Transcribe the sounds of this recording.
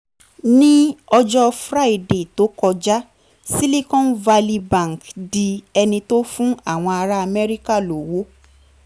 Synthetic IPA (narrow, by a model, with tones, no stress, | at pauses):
nĩ˦ɔ˧d͡ʒɔ˦fɾa˦˨i˦˨de˨to˨˦kɔ˧d͡ʒa˦ | si˦li˦kɔ̃˦n̩˦va˧li˧bã˦˨ŋ˨kdi˧ɛ˧nĩ˧to˦fũ˦a˦˨w̃ɔ̃˧a˧ɾa˦a˧mɛ˦ɾi˦ka˦˨lo˨wo˨˦